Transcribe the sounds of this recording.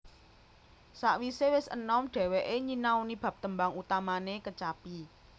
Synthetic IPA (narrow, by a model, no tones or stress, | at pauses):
saʔwisewɪsə̰nɔmɖ̥ɛ̤weʔeɲinaunib̥ä̤p̚t̪əmbaŋut̪amanekət͡ʃapi